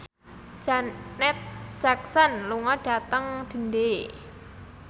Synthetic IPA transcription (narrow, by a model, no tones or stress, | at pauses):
nɛt̪̚ʒ̥ak̚sənluŋɔɖ̥a̤t̪əŋd̪̥ə̤nde